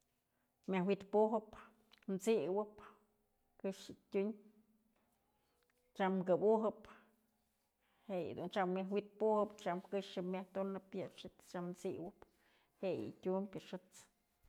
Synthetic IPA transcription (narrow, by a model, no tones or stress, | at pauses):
mʲahwit̪puɦɨp | nt͡siwɨp | kɨʂɨtʲuɲ | t͡ʃamkɨbuɦɨp | heʔj̰d̪unt͡ʃammʲjaɦwit̪̚puhɨpt͡ʃamkɨʂɨmʲaht̪unɨpʲjɨʂɨt͡s̪t͡ʃamt͡siwɨp | heʔjɨ̰tʲumpʲɨʂɨt͡s